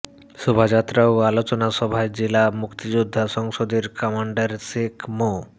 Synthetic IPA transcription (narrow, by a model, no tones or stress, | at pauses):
ʃubʱad͡ʑat̪ːɾaoalot͡ɕonaʃɔbʱaed͡ʑelamukt̪id͡ʑud̪ʱːaʃɔŋʃod̪eɾkɔmaɳɖaɾsekmo